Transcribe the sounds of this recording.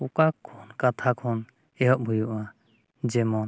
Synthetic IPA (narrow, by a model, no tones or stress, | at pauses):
ukakʰːɔnkat̪ʰakʰɔn | ɛɦɔʔ̚bʱujuʔa | d͡ʒɛmɔn